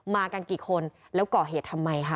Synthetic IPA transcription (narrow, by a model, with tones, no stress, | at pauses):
maː˧ka˧nkiː˨˩kʰo˧n | lɛː˦˥wkɔː˨˩ɦeː˨˩t̪ʰːa˧mːa˧jkʰa˦˥˩